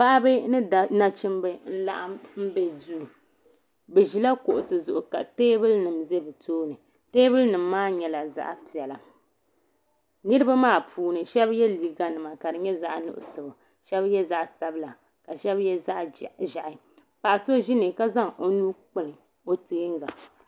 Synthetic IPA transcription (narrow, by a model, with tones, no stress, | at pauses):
pa˦ʔbɨ˦nɨ˦˨na˦t͡ʃɪ˦mbɨ˦n̩˦la̰˦ʔa˦m̩˦bɛ˦du˦˨ | bɛ˨ʒi˨la˦ko˨ʔʊ˨sɨ˨zʊ˨ʔʊ˨ka˨teː˦bɨ˦lnɨ˨mze˦bɨ˨tʰoː˦nɨ˨ | teː˦bɨ˦lnɨ˨mː˦aː˦ɲɛ˨la˨za̰˦ʔpi˨ɛ˨la˨ | nɨ˦ɾɨ˦ba˦maː˦˨pʰuː˦nɨ˨ʃɛ˦bjɛ˦li˨ɡa˨nɨ˨ma˨ka˨dɨ˨ɲɛ˦za˦ʔnʊ̰˨ʔʊ̰˨sɨ˨ba˨ | ʃɛ˦bjɛ˦za˦ʔsa˦bɨ˦la˨ | ka˨ʃɛ˦bjɛ˦za˦ʔʒa˨ʔɪ˦ | pa˨ʔso˦ʒi˦nɨ˨ka˦za˦ŋʔo˦nuː˦k͡pɨ˨lɨ˨ | o˦teː˦ŋ˦ɡa˨